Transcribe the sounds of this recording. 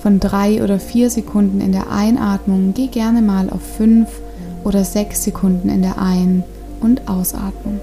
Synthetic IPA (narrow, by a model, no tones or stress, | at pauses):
fɔndʁaɪʔo̰ːɾɐfiːɐzekʰʊndn̩ɪ̰ndeːɐʔa̰ɪnʔaːtmʊŋɡeːɡɛɐnəmaːlʔa̰ʊfːʏnf | ʔoːɾɐzɛksz̥ekʰʊndn̩ɪ̰ndeːɐʔaɪn | ʔʊntʔaʊsʔa̰ːtmən